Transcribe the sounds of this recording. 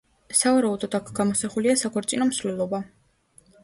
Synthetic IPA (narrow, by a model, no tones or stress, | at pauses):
savaɾaud̪ɔd̪akʰɡ̥amɔsaχuliasakʰɔɾt̪sʼinɔmsvlɛlˠɔba